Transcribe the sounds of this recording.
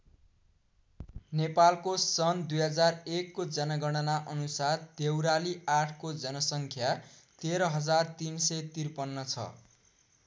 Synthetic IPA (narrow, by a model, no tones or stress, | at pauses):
nepalkosʌnd̪ujɦʌd͡zarekːod͡zʌnaɡʌɽ̃ʌnaʔʌnusard̪ewɾaliaʈʰkod͡zʌnʌsʌŋkʰjat̪eɾʌɦʌd͡zart̪insʌjt̪irpʌnːʌt͡sʰʌ̰